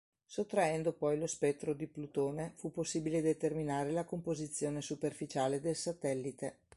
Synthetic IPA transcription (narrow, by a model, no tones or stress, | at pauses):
sot̪ːɾaɛnd̪opɔjlospɛt̪ːɾod̪iplut̪oːnefupːosːiːbiled̪et̪erminaːɾelakompozit̪sːjoːnesuperfit͡ʃaːled̪elsat̪ɛlːit̪e